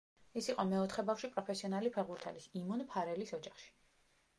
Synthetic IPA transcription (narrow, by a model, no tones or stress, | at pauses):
ɛsiqʼɔmɛɔt̪ʰχɛbafʃipʼɾɔpʰɛsiɔnalipʰɛʁbuɾt̪ʰɛalisimunpʰaɾɛlisɔd͡ʒaχʃi̥